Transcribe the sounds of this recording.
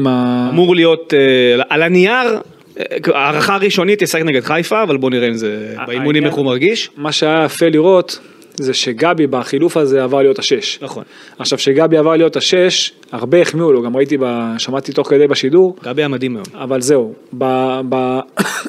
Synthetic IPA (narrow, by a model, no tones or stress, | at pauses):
maamuʁlijo̞t̪ʔalaniaʁ | aːʁaχaːʁiʃo̞nit̪jasakneɡed̪χajfaːvalbo̞niʁeimzebeimunimmeχumaʁɡiʃmaʃeajaafeliʁo̞t̪ | zeʃe̞ɡabibaχilufaze̞avaʁlijo̞taʃe̞ʃnaχo̰n | aχʃavʃe̞ɡabiavaʁlijo̞taʃe̞ʃ | aʁbeːχmiuloɡamʁait̪̬ibaʃamat̪it̪oχke̞d̪ejbaʃiduʁɡabiamad̪imajomavalzeubaba